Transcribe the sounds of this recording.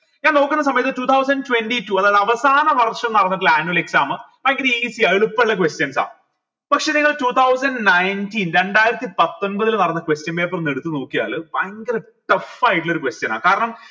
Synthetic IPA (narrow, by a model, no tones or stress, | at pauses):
ɲaːnoːkːunːɐs̬ɐmɐjɐt̪ːɨtuːt̪ʰɐwsɐnɖtwenɖituɐðaːðeɐʋɐsaːnɐʋɐrʂɐmnɐrɐnːɐplaːnuɐle̞ksaːmɨmɐŋɡɐɾisiɐɭupːeɭːɐkwestjɐnsa̰ː | pɐkʂeniŋːɐɭtuːt̪ʰɐws̬ɐnɖnɐjntinɾe̞ɳɖaːjiɾɐt̪ːipɐt̪ːo̞nbɐðilmnɐrɐnːɐkwestjɐnpeːp̬ːɐrneɽut̪ːɨno̞ːkːija̰ːlɨbajŋɡɐlɨ | ʈɐfaːjiʈ̬ːiɭo̞ɾukwestjɐna̰ːkaːɾɐɳɐm